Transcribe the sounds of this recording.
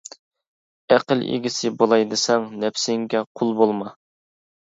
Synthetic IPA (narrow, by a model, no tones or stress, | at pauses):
æqəlḛɡʲisɪbolˠɑjd̪ɨsɛŋnɛpsɪŋɡʲɛqʰʊlˠbolˠmɑ